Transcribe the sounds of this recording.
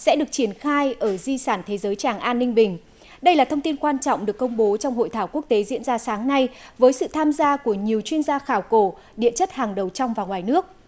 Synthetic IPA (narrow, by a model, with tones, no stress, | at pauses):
sɛ̰˧˥ɗɨ˨˩ək̚t͡ɕi˧˩ənxaː˧jʔəː˧˩zi˧saː˧˩nt̪ʰe˨˦zəː˨˦jt͡ɕaː˨˩ŋʔaː˧nːï˧ŋ̟ɓï˨˩ŋ̟ | ɗə˧jlaː˨˩t̪ʰə˧wŋ͡mt̪i˧nkwaː˧nt͡ɕɔ̰˧˨wŋ͡mɗɨ˨˩əkːə˧wŋ͡mɓo˨˦t͡ɕɔ˧wŋ͡mho̰˧˨jt̪ʰaː˧˩wku˦˥ək̚t̪e˨˦zḭ˧˥ənzaː˧saː˨˦ŋna˧jvəː˨˦jsɨ̰˧˨t̪ʰaː˧mzaː˧ku˧˩əɲi˨˩əwt͡ɕwi˧ənzaː˧xaː˧˩wko˧˩ | ɗḭ˧˨ənt͡ɕə˦˥t̚haː˨˩ŋɗə˨˩wt͡ɕɔ˧wŋ͡mvaː˨˩wŋwaː˨˩jnɨ˦˥ək̚